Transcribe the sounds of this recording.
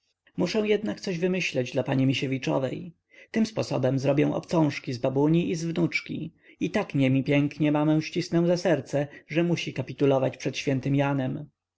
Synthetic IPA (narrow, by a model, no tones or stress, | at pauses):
muʂɛ̃w̃jɛd̪nak̚t̪sɔʑvɘmɘɕlɛd͡ʑd̪lapaɲimʲiɕevʲit͡ʂɔ̰vɛ̰j | t̪ɘmspɔsɔ̰bɛmzɾɔbʲjɛ̃w̃ʔɔ̰pt̪sɔ̃w̃ʂkʲizbabuɲiʔizvnut͡ʂkʲḭ | it̪akɲɛmʲipʲjɛŋkɲɛmamɛ̃w̃ɕt͡ɕisnɛw̃zasɛɾt̪sɛʐɛmuɕikapʲit̪ulɔvat͡ɕpʂɛt̪ɕfʲjɛnt̪ɘmjanɛm